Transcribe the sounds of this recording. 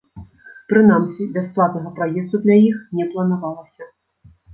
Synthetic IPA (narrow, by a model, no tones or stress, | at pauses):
pɾɨnamsʲibʲasplˠat̪nɐɣɐpɾajɛst̪ud̪lʲajixnʲɛplˠɐnavalˠɐsʲɐ